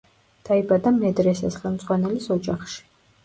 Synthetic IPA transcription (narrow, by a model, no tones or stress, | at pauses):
d̪̥aibad̪amɛd̪ɾɛsasχɛlˠmd̪zʼʁwanɛlisɔd͡ʒaχʃi̥